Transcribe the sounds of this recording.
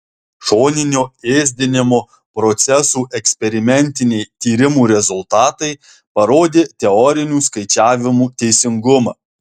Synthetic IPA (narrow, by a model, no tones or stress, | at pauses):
ʃoːnʲɪnʲoːeːzʲd̪ʲɪnʲɪmoː | pɾɔt̪sʲɛsuːʔɛksʲpʲɛɾʲɪmʲɛnʲˑt̪ʲɪnʲɛɪt̪ʲiːɾʲɪmuːɾʲɛzʊlˠt̪ɑːt̪ɐɪ | pɐɾoːd̪ʲeːt̪ʲɛɔːɾʲɪnʲuːskɐɪt͡ʃʲæːʋʲɪmuːt̪ʲɛɪsʲɪŋɡʊmɑ̰ː